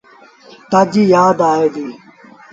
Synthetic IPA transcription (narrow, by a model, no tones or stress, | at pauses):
t̪ad͡ʑiːjaːd̪aːeːd̪iː